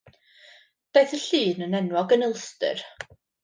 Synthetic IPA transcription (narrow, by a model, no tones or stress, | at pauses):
b̥eːɨθəɬiːnənɛnwɔɡənəlˠstɨ̰r